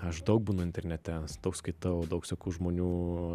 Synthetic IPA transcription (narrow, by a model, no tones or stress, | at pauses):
ɐʃd̪ɐʊk̚buːnʊɪnʲt̪ʲɛɾʲnʲɛt̪ʲɛsd̪oʊkskɐɪt̪ɐʊd̪ɐʊksʲokʲuːʒmoːnʲuː